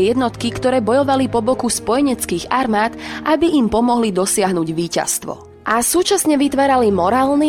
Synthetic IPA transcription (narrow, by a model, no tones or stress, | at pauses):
jɛd̪nɔt̪kikt̪ɔɾɛːbɔjɔʋalipɔbɔkuspɔjɛɲɛt͡skiːɣaɾmaːt̪ʔabiimpɔmɔɦlid̪ɔsɪaɦnuːɟʋiːca̰st̪ʋɔ̰ | ʔasuːt͡ʃasɲɛʋit̪ʋaːɾalimɔɾaːlni